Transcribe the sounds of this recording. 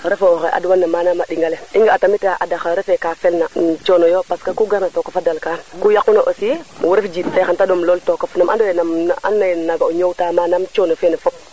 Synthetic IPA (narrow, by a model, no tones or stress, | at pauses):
ɾɛfooxeʔa̰dwanːamaːnamaɗiŋɡaleiŋɡaːtamitaʔadaxaɾɛfɛkafɛlnat͡ʃonojopaskakuɡaɾnatokafadalkankujakːunoʔosimwuɾefd͡ʒiːtfexantadomloltokafnamʔa̰ndowenama̰nːanaɡaoɲowtamaːnamt͡ʃonofenafɔp̚